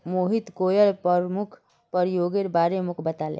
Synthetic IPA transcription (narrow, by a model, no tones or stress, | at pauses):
moɦit̪kojʌɾpʌmukʰ | pəɾjoɡeɾbaɾemukʰbət̪alḛ